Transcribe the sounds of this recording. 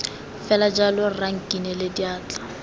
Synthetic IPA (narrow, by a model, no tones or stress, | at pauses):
fɛlad͡ʒalʊraŋ̩kʼinɛlediaːt͡ɬḁ